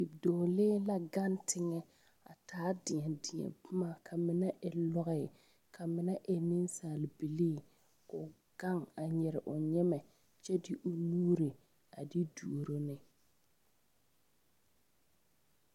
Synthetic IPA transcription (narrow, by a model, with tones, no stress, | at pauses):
pi˨b̚dɔː˨leː˦la˦ɡa˦ntʰɪ˦ŋɛ˦ | a̰˨taː˨˦dɪ˨ɲɛ˨dɪ˨ɛ̰˨bʊ˦ma˨kʰa˨mɪ˦na˦ʔɛ˨lɔ˦ɣɛ˨ | kʰa˨mɪ˦na˦ʔɛ˨nɪ˦n˦saː˨lɪ˨bi˨liː˦ | ʊ˨ | ɡ̥a˦ŋa˨ɲɛ˨ɾɪ˨ʔʊ˨ɲɛ˦mɛ˨ | t͡ʃɛ˦dɪ˦ʔʊ˨nuː˦ɾe˨ | a˨di˦du˨ɾo˦nɪ˦